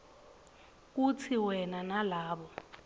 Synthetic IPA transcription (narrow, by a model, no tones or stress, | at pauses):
k̬ut͡sʰiwɛnanalaːɓɔ